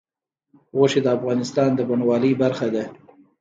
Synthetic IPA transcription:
ɣoʃed̪əafɣɑnɪst̪ɑnd̪əbanwɑləjbaɾxad̪a

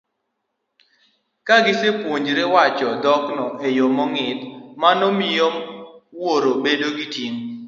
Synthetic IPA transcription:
kaɡɪsepwoɲd͡ʒɾewat͡ʃɔdɔknɔʔejomɔŋɪt̪manɔmɪjɔwoɾobedoɡitjiŋ

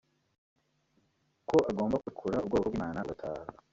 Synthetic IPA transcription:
ko̞ʔaɡo̞ːmbakukʰuɾaub̚ɡoːkobɡimaːnaɡatʰa̰ːha

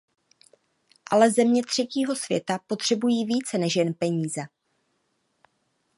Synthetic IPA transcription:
ʔalɛzɛmɲɛt̪r̝̥ɛciːɦo̞sv̥jɛ̰t̪apo̞t̪r̝̥ɛbujiːviːt͡sɛnɛʃjɛnpɛɲiːzɛ

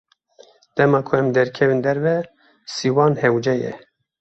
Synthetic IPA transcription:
d̪̥ɛmɑːkʰʊɛmd̪ɛɾkʰɛvind̪ɛɾvɛ | siːwɑːnhɛwd͡ʒɛjɛ̰

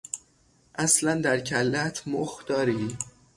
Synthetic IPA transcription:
ʔæslænd̪æɾcʰælːæt̪ʰmoxd̪̥ɒːɾiː

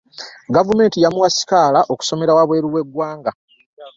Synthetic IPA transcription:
ɡavume̞ːntijamuwasi̥kaːlaʔo̞ku̥so̞me̞ɾawaβwe̞ːɾuwe̞ɡwaːŋɡa

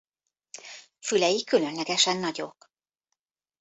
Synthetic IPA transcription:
fylɛjikylø̞nlɛɡɛʃɛnːɒɟo̞̰k

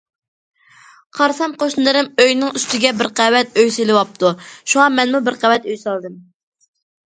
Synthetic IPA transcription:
qʰɑɾsɑmqoʃnɨd̪ɨɾɨmøjnɪŋyst̪ɪɡʲɛbɪɾqæwɛt̪̚øjsɪlɪwɑp̚t̪ʰuʃuŋɑmɛnmubɪɾqæwɛt̪øjsɑlˠd̪ɨm

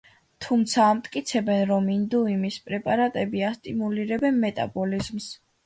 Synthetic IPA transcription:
t̪ʰumt̪sʰaːmt̪ʼkʼit̪sʰɛbɛnɾɔmind̪uimispʼɾɛpʼaɾat̪ʼɛbiast̪ʼimuliɾɛbɛnmɛt̪ʼa̰bɔlizms

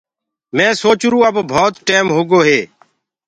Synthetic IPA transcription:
mɛ̃ːsoːt͡ʃɾũːəbbʱoːt̪ʈeːmɦoːɡoːɦeː

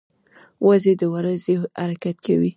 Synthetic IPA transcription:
wʔazed̪əwaɾazeha̰ɾakat̪̚kawi

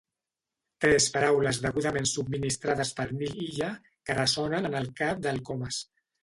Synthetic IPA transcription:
t̪ɾɛspaɾawləzðəɣuðamensub̚minist̪ɾaðəspəɾniliʎa | kərəsɔnənənəlˠkap̚d̪əlˠkɔməs

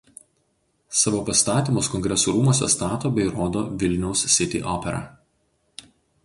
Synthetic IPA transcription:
sɑʋoːpɐst̪ɑːt̪ʲiːˑmoskɔŋʲɡɾʲɛsuːɾuːmoːsʲɛ̰st̪ɑːt̪oːbʲɛɪɾoːd̪oːʋʲɪlʲnʲɛʊssʲɪt̪ʲḭːʔɔːpʲɛɾɐ̰

